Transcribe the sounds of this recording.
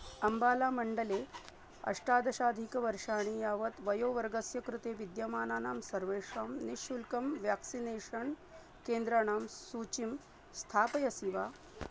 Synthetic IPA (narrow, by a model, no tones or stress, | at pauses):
ɐmbaːlaːmɐɳɖəle | ɐ̰ʂʈaːd̪ɐɕaːd̪ʱikʋɐɾʂaːɽ̃iːjaːʋət̪ʋɐjoːʋɐɾɡɐsjɐkɾut̪eːʋid̪jɐmaːnaːnaːmsɐɾʋeːʂaːmniʃulkɐmʋjaksineːʃəɳ | keːnd̪ɾaɽaːmsuːt͡ɕim | st̪ʰaːpɐjɐsiʋaː